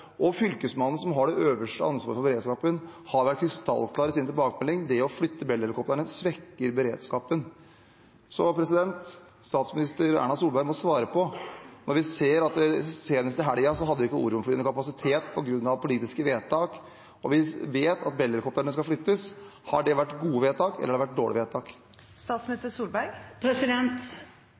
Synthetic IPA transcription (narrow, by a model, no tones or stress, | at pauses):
ʔɔfʏlkəsmɑnːn̩sɔmɦɑɖɛʔøːʋəʂʈəɑnsʋɑ̰ːɾəfɔɾbəɾeːd̪skɑːpənhɑɾʋæʈ̚kʰɾɪst̪ʰɑ̰lːkʰlɑːɾəsɪnət̪ɪlbɑːkəmɛlːɪŋd̪ɛɔflʏt̪ːəbɛlːɛləkɔp̚t̪əɳəsʋɛkːəɾbəɾeːd̪skɑːpən | sɔpʰɾɛsɪd̪ɛnt̪ | st̪ɑːt̪smɪnɪst̪əɾæ̰ːɳɑsuːlbæɪmɔsʋɑːɾəpʰɔnɔɾʋɪseːɾɑt̪seːnəst̪ɪɦæɖɪɑsɔɦɑd̪ːʋɪɪkːəṵːɾʊmfɔlyːnəkʰɑpɑsɪt̪ʰeːt̪pʰɔɡɾʉnːɑʋpʰʊliːt̪ɪskəʋeːtt̪ʰɑːk | ɔʋɪʋeːt̪ʰɑt̪̚bɛlːɛləkɔp̚t̪əɳəskɑflʏt̪ːəshɑɖɛʋæʈːɡuːəʋeːt̪ɑːkɛlːəɾɑɖɾʋæʈ̚d̪oːɭɪ̰ʋeːt̪ʰɑːk | st̪ɑːt̪smnɪst̪əsuːlbæɪɡpʰɾɛsɪd̪ɛnt̪